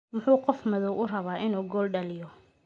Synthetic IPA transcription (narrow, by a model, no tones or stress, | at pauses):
mʊħuːqɔfmɐðɔwʔʊrɐβaːʔɪnuːɡɔːlɖɐlɪjɔ